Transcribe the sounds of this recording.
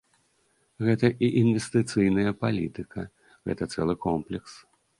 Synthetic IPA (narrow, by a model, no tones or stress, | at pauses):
ɣɛt̪ɐʔiʔinvʲɛst̪ɨt̪sɨjnɐjɐpalʲit̪ɨkɐ | ɣɛ̰t̪ɐt̪sɛ̰lˠɨkɔmplʲɛks